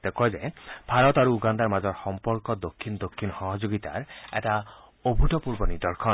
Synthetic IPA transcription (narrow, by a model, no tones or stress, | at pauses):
t̪ekɔd͡ʒebʱaɾɔt̪aɾuuɡand̪aɾmad͡ʒɔɾxɔmpɔɾkɔd̪okʰːinɔd̪okʰːinɔxɔɦɔd͡ʒoɡit̪a̰ɾɛ̰ʈa | obʱuʈɔpuɾbɔnid̪ɔɾkʰɔn